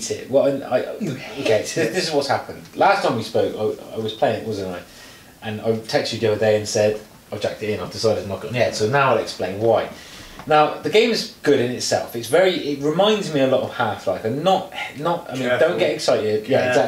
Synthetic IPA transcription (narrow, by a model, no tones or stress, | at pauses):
sɪ̰ʔwəãɪa̰ɪoʊkʰeɪɪðɪsɪzwɒtshapə̃ndlastʰãɪ̃mwispoʊkaɪa̰ɪwɒz̥pʰl̥eɪɪ̃ŋɪʔ̚wɒzə̃naɪ | ʔə̃na̰ɪtʰɛk̚t͡ʃidəədeɪə̃nsɛd | aɪd͡ʒa̰k̚tɪtɪ̃naɪvdɪsaɪɾɪdⁿnəkɪn̩əhɛd̥soʊnaʊaɪlɛksplẽɪ̃nwaɪnaʊðəɡẽɪ̃mɪzɡ̥ʊɾɪ̃nɪtsɛ̰lˠfɪtsvɛɹiʔɪt̚ɹɪmãɪ̃ndzmiəlɒɾəv̥haˑflaɪfə̃nnətnəta̰ɪĩdə̃ʊ̃ɡ̥ɛtɛksaɪtɪdjæ